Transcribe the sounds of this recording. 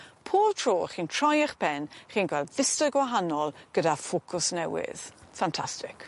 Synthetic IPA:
pʰoːtʰroːχiːntʰr̥ɔjəχbʰɛnχiːnɡwɛlˠdvɪstəɡwaɦanɔlˠɡ̥ədafokʰʊsnɛwɪ̰ð̥fantʰastɪk

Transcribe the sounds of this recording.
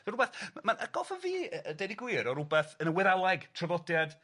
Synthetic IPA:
əɾubɛθmanəɡ̥ɔlˠfɔviːəədediɡwɪːɾɔɾubɛθənəwɪðalˠaɡtʰrəvɔdjad̥

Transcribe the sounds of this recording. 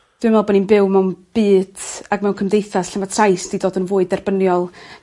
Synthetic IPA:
d̥ɪmɛlˠbɔninbɪwmɛwnb̥ɨːd̥aɡmɛwŋkʰəmdejθasɬɛmvatʰrajsd̥idoːdənvʊːɨdɛrb̥ənjɔlˠ

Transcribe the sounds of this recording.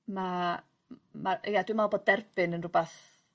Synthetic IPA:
ma | maʔejadwumalˠboːd̚dɛrb̥ɪnənrʊbaθ

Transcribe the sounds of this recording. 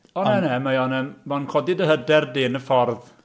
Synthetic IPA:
ɔnɛnɛmajɔnɛmmɔnkʰɔdɪdəɦədɛrdɪːnəfɔrð

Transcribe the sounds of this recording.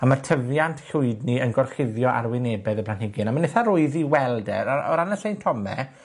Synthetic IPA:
amatʰəvjantʰɬʊɨdniənɡɔrχɪðjɔʔa̰rwɪneːbɛðəpʰlanhɪɡɪnamanɛθaɾʊɨðiwɛlˠdɛ̰ɾaɔ̰ɾanasejntʰɔmɛ̰

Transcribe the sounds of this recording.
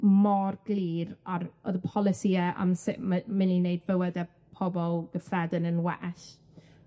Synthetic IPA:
mɔrɡlˠiːɾaɾɔðəpʰɔlˠɪsiɛa̰msɪʔməmɪninejdvəwɛdɛ | pʰɔbɔlˠɡ̥əfrɛdənənwɛ̰ʔɬ

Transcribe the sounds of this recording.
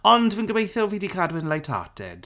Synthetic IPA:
ɔndvənɡəmejθɪlˠviːdikʰaːdwɪnlajtʰa̰tʰɛ̰d̥

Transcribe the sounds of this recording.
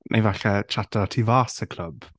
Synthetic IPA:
nʔa̰jvaɬɛt͡ʃʰatʰɔtʰivaːsəkʰl̥ˠəb

